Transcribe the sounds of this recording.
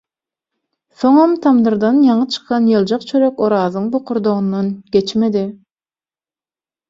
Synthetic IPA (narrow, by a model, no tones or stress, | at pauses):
θo̞ŋɑmt̪ʰɑmd̪ɯɾd̪ɑnjɑɴɯt͡ʃʰɯ̥qʰɑnjɯlˠd͡ʒɑq̚t͡ʃʰøɾøkoɾɑːðɯŋboqʰʊɾd̪oʁund̪ɑnɡ̥ʲet͡ʃme̞d̪i